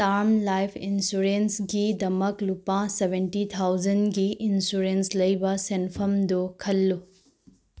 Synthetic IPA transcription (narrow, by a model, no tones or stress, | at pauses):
taɾmlajpʰinsuɾensɡidɐmɐklupasebʱentit̪ʰawd͡ʒɐnɡiʔinsuɾenslɐjbɐsenpʰɐmdukʰɐlːu